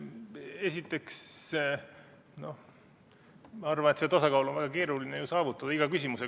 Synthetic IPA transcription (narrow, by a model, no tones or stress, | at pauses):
e̞sit̪ːˑe̞ks | no̞h | mɑɑrvɑnet̪set̪ɑsɑkɑwlonvæɡ̥ɑke̞ːɾulinejusɑːvut̪ːˑɑd̪̥ɑiɡ̥ɑkysimuse